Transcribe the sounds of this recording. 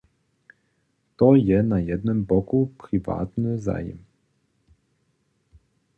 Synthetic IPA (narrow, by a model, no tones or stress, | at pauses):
t̪ɔjɛnajɛd̪nɔmbɔkupɾiva̰ːt̪nɨza̰ːjɛ̰m